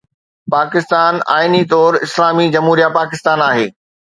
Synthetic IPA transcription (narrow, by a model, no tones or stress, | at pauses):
paːkɪst̪aːna̰ːɪnit̪ɔːɾɪslaːmid͡ʑɐmɦuːɾijapaːkɪst̪aːnaːɦeː